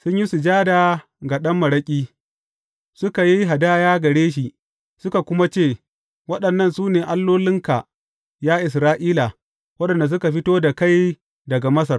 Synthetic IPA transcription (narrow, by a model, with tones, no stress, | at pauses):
sʊ˦ɲji˦su˨d͡ʒaː˦daː˨ | ɡa˨ɗɐ˦mːɐ˨ɽɐ˦kʲʼiː˦ | sʊ˦ka˨ji˦ɦa˨daː˦jaː˦ɡɐ˨ɽeː˦ʃ̬i˨ | sʊ˦ka˨kʷʊ˦ma˦t͡ʃeː˦˨ | wɐ˦ɗɐ˨nːɐ˦˨nsuː˦neː˨ʔa˦lːoː˦lɪ˦ŋka˨ | jaː˦ʔɪ˨s̬ɾaː˦ʔiː˦la˨ | wɐ˦ɗɐ˨nda˨s̬ʊ˦ka˨ɸɪ˦toː˦da˨ka˦˨j | dɐ˨ɡa˨mɐ˦sɐ˨r